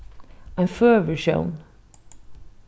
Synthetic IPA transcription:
ãnfɜːvə˞ʃõ̰ʊ̃n

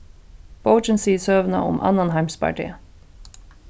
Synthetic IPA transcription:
b̥oʊt͡ʃənsiːsøːʋnɑ̰ʔʊ̰mʔɑ̰nɑnhɑɪmspʰɑ̰ʈʰḭː

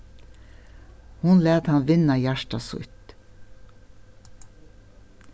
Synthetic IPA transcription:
hʊnlæːt̪hɑnʋɪnajæʃʈasʊ̰t̪

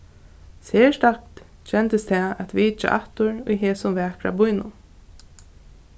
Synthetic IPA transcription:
seːʂtakt̪ | t͡ʃɛnt̪əst̪ʰɛːæt̪ʋiːt͡ʃa̰ʔaht̪ʊɹʊ̰jɦeːsʊmvɛːkɾa̰bʊjnʊ̰

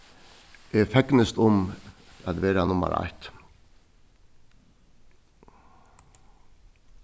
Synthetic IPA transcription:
efɛknəst̪ʊmæd̪ʋeːɾɑnʊmə̰ɾɑ̰ɪt̪

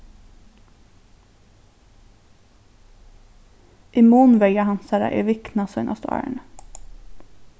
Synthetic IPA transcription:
ʔiːmuːnʋɛɪɑhɑnsæɾæ̰ʔḛːʋɪknɑsœʏnʔɑ̰st̪ɑ̰ɳ

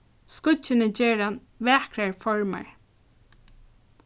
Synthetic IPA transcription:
skʊt͡ʃːɪnɪd͡ʒɛːɾan | ʋɛːkɾaɹfɔɹma̰ɹ

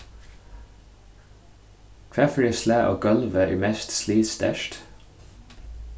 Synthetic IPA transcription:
kʰɹæfɹɪslæːʔo̰ːɡɑlʋəʔḭːmɛst̪sliːt̪st̪æ̰ʃt̪

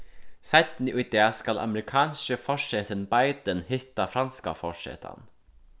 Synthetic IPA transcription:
saɪt̪n̩iːʔʊd̪eːɑskɑlʔɑ̰məɾɪkʰɑːnskəfɔʂet̪ʰənbɑɪd̪ənhɪt̪ɑfɾɑnskɑ̰fɔʂḛːt̪ʰɑ̰n

